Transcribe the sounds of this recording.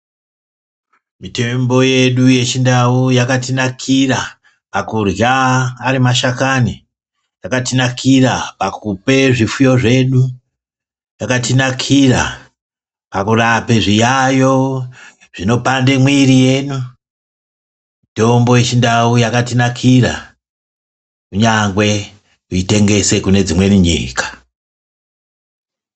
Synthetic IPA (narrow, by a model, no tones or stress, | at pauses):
mite̞mbo̞je̞ɗuje̞t͡ʃindaujakatinakʰira | pakurjaːɾimaʃakani | jakatinakʰirapakupe̞ʐifujo̞ʐe̞ɗu | jakatinakʰira | pakurapeʐijajo̞ | ʐ̥ino̞pande̞mwirije̞nu | mito̞mbo̞jet͡ʃindaujakatinakʰira̰ | kuɲaŋɡwe̞ | kuite̞ŋɡe̞se̞kune̞d͡zimwe̞muɲḭːkḁ